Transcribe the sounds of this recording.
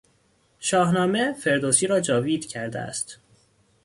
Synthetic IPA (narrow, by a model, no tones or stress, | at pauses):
ʃɒːhnɒːme̞fe̞ɾd̪oːsiːɾɒːd͡ʒɒːviːd̪̥cʰæɾd̪ḛæ̰st̪